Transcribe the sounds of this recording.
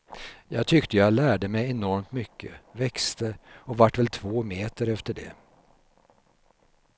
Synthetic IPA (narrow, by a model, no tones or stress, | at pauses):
jɑ̰ːɡt̪ʰʏkt̪əjɑɡlæːɖəmɛjɛnɔɾmt̪mʏkʰːə̰vɛkst̪ʰəɔvaʈːvɛlt̪ʰvoːmeːt̪əɾɛft̪əɖɛ̰